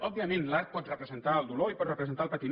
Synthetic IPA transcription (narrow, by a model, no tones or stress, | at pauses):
ɔb̚biəmẽnlaɾk̪̚pɔt̪rəpɾəzənt̪aəlˠd̪uloipɔt̪rəpɾəzənt̪aəlˠpət̪in